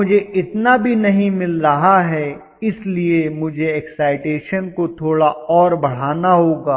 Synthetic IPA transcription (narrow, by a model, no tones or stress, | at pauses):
mʊd͡ʒʱeɪt̪nabʱinɐɦĩmɪlɾɐɦaɦɛ | ɪsliemʊd͡ʒʱeɛːksaːɪʈeːʃənkot̪ʰoːɽaɔːɾbɐɽ̤aːnaɦoːɡaː